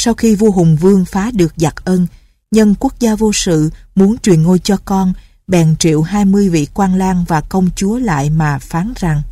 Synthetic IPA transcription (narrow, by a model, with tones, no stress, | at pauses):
sa˧wxi˧vo˧ɦʊ˨˩ŋ͡mvɨ˧əŋfaː˨˦ɗɨ˨˩ək̚za˨˩t̚ʔəː˧n | ɲə˧nku˦˥ək̚zaː˧vo˧sɨ̰˧˨mu˨˦ənt͡ɕwi˨˩ənŋo˧jt͡ɕɔ˧kɔ˧n | ɓɛ˨˩nt͡ɕḭ˧˨əwɦaː˧jmɨ˧əjvḭ˧˨kwaː˧nlaː˧ŋvaː˨˩kə˧wŋ͡mt͡ɕu˨˦əla̰ː˧˨jmaː˨˩faː˨˦nza˨˩ŋ